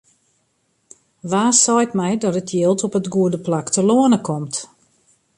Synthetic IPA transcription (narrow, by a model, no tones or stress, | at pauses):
ʋaːsɔjtmɛjdɔtətʰjɪəlˠtɔpətɡuədəplaktəloənəkʰɔmt